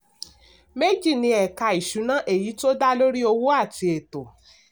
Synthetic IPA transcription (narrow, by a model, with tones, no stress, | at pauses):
me˦d͡ʒi˦˨nĩ˧ɛ˨ka˧i˨ʃu˨˦nã˦ʔe˦˨ji˨˦to˦da˦lo˦ɾi˦o˧wo˦a˦˨ti˧e˨to˨